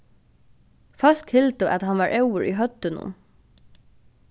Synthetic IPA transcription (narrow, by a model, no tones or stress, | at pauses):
fœɬkhɪlt̪əʔæt̪hɑnʋɑːɹʔɛʊəɹʔḭːɦœt̪ənʊ̰